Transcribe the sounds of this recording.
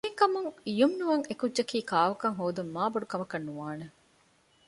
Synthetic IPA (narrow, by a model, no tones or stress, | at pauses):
eŋkɐmuŋijumnuʋɐŋekudʒɐkiːkaːʋɐkɐŋɦoːd̪umːaːbɐɖukɐmɐkɐnːuʋaːne